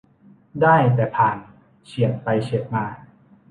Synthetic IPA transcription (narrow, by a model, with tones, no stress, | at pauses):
daː˥˩jt̪ɛː˨˩pʰaː˨˩n | t͡ɕʰi˨˩ən̚pa˧jt͡ɕʰe˨˩˦t̪̚maː˧˩